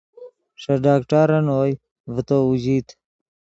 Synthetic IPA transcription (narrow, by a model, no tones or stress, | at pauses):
ʂɐɖaːkʈaɾɐnoːj | vət̪oud͡ʑiːt̪